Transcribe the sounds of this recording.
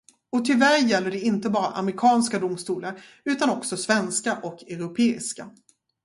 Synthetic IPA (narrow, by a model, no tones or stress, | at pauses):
ɔt̪ʰɪlvæɾjɛlːəɖɛɪnt̪əbɑːɾa̰ʔa̰mɾɪkʰɑːnskad̪ʊmst̪uːlaɾ | ʉ̟ːt̪anɔksɔsvɛnskaʔɔkɛɾʊpʰeːɪ̰ska